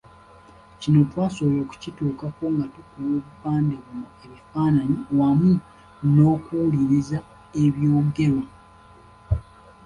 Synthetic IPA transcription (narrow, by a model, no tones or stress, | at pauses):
cino̞twaːso̞loːku̥cituːkako̞ŋɡatukuwoːβupaːndeβumue̞βifaːnaɲiwamu | no̞ːkuliɾiza | e̞βjo̞ːmuɡe̞lo